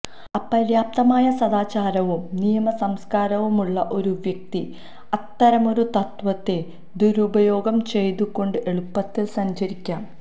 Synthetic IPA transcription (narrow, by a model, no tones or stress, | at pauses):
ɐpːɐɾjaːp̚t̪ɐmaːjɐsɐd̪aːt͡ɕaːɾɐʋumnijɐmɐsɐmskaːɾɐʋumuɭːɐʔo̞ɾuʋjɐk̚t̪i | ɐt̪ːɐɾɐmo̞ɾut̪ɐt̪ʋɐt̪ːe̞ | d̪uɾubɐjo̞ːɡɐmt͡ɕe̞jt̪ukːo̞ɳɖɨʔe̞ɭupːɐt̪ːisɐɲt͡ɕɐɾikʲːaːn